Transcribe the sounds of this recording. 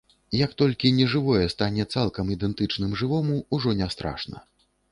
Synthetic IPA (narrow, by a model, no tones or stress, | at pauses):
jɐkt̪ɔlʲkʲinʲɛʐɨvɔjɛst̪anʲɛt̪salˠkɐmid̪ɛnt̪ɨt͡ʂnɨmʐɨvɔmuuʐɔnʲɛst̪ɾa̰ʂnɐ̰